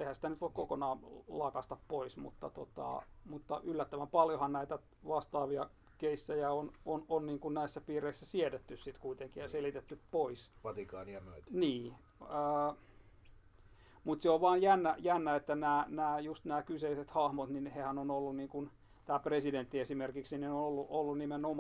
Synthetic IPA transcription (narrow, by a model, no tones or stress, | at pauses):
ehænsi̥t̪ænyt̪ʋoikkokonɑːlɑkɑst̪ɑppoismṵt̪ːɑ̰t̪o̰t̪ɑ̰mut̪ːɑ̰ʔylːæt̪ːæʋæmpɑljohɑnnæit̪æ | ʋɑst̪ɑːʋiɑ | keisːæjæonononniːŋkunnæisːæpiːreisːæsiedet̪ːyssit̪kuit̪eŋkijɑselit̪et̪ːyppoisʋɑt̪ikɑːniɑnoit̪niː | əː | mut̪seoʋʋɑːnjænːæjænːæet̪ːænæːnæːjust̪næːkyseiset̪hɑhmot̪ninhehænonolːunniːŋkun | t̪æːpresident̪ːiesimerkiksininoolːuʔolːunnimenom